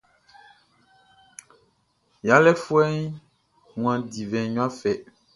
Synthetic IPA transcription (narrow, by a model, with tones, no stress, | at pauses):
ja˨˦lɛ˦fu˦ɛ˦ɲ˦ | ŋũ˨ã˨di˨vɛ̃˨ɲũ˦ã˦fɛ˨